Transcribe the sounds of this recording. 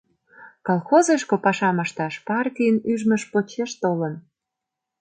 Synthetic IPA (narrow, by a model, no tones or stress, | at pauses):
kolxozeʃkopɑʃɑməʃt̪ɑʃpɑrkiənyʒmə̆ʃpot͡ɕeʃt̪olən